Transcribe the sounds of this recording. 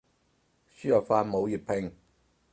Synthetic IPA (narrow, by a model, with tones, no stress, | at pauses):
syː˥jɐ˨˩kfaː˧nmo˨˧wji˨˩pʰɪ˧ŋ